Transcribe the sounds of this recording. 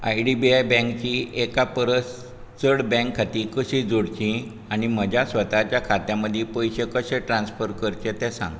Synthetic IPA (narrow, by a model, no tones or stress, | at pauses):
ajɖibiajbɛ̃ŋkt͡ɕiekapəɾəs | t͡səɽbɛ̃ŋkʰːat̪iːkəɕĩd͡zoɽt͡ɕĩ | aɽ̃iməd͡ʑʱjasʋət̪at͡ɕjakʰat̪jãməd̪ʱjepəjɕekəɕẽʈɾãnsfəɾkəɾt͡ɕẽt̪ɛ̃sã̰ŋɡ